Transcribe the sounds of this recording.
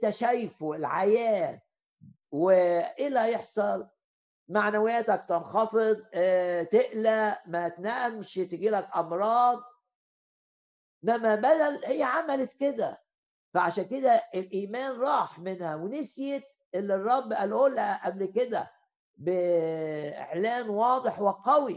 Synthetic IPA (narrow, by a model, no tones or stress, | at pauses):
t̪æʃæjfoelʕajæːt̪ | weʔelæjeħsˤɑl | maʕnæwejæt̪æk̚t̪enxɑfed̪ˤt̪eʔlæmæt̪næʔmʃt̪eɡiːlækʔɑmɾˤɑːd̪̚ˤ | mæmæbæd̪ælhejːæʕamælet̪ked̪æ̰ | fæʕaʃæːnked̪æʔelʔiːmæːnɾˤɑːħmenhæwenesjet̪̚ | ʔelːirˤːɑbːʔælʔoːlːæʔæblked̪æ̰ | be | ḛʕlæːnwɑːd̪ˤeħwɪqɑwi